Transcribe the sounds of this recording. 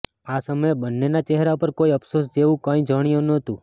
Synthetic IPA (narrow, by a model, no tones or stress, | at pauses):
asəməjbənːenat͡ʃɛɦɾapəɾkoiəpsos̬d͡ʒeʋũkãĩd͡ʒəɽ̃ijonət̪ũ